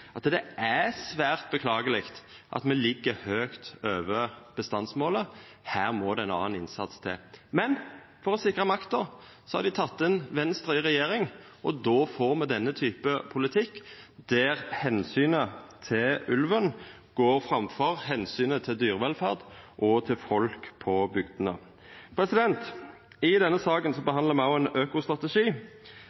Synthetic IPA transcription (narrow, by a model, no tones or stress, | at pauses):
ɑt̪d̪ɛʔæsʋæːʁt̪̚bəkʰlɑːɡəlɪkt̪ | ʔɑ̰t̪mɛlɪɡːəhøːkt̪øːʋəb̥əst̪ɑnsmoːlə | hæːʁmɔd̪ɛɛɪnɑ̰ːnɪ̰nsɑ̰t̪st̪ʰɪ̰mɛn | fɔɾɔsɪkʁəmɑkt̪ɔ | sɔhɑ̰ɾd̪ɪt̪ʰɑt̪ːɛnʋɛnst̪ʁɪʁɛjeːʁɪŋ | ʔɔd̪oːfoːʁmɛd̪ɛnːət̪ʰyːpəpʰʊlɪt̪ʰɪkːd̪̥æːɾhɛnsyːnət̪ʰɪlʉlʋən | ɡ̥oːʁfɾɑmfɔʁhɛnsyːnət̪ʰɪld̪yːʁʋɛlfæʁd̪ʔɔt̪ʰɪlfɔlkpʰɔbʏɡd̪ənə̰ | pʰɾɛsɪd̪ɛnt̪ | ɪd̪ɛnːəsɑːkənsɔbəhɑnd̪ləʁmɛɑʊɛnøːkʊst̪ɾɑt̪əʂiː